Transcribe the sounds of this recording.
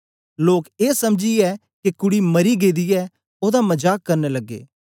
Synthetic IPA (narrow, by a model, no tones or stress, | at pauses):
loːkeːsɐmd͡ʒiɛ | kekʊɽimɐɾiɡeːd̪ijɛ | oːd̪amɐd͡ʒaːkːɐɾnelɐɡːḛː